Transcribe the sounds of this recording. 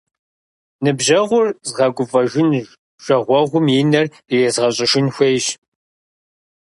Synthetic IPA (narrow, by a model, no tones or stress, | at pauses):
nɨbʑɐʁʷʊrzʁɐɡʷʊfɐʒʷɪn | ʒ̥ʷɐʁʷɔʁʷʊmjinɐr | jɛzʁɐɕʼɪʃɪnxʷejʒ